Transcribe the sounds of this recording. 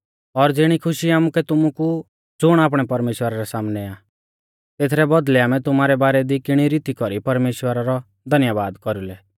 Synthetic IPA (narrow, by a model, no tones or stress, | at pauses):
ɔɾd͡zɪɽ̃ikʰʊʃiaːmukɛt̪ʊmuku | d͡zʊɽ̃aːp̬ɽ̃ɛpɐɾmeːʃwəɾaɾɛsaːmnɛa | t̪eːt̪ʰɾɛbɔd̪lɛaːmɛ̃t̪ʊmaːɾɛbaːɾɛd̪ikɪɽ̃iɾit̪ikɔɾipɐɾmeːʃwəɾaɾɔ | d̪ʱɐnjabaːd̪kɔɾulɛ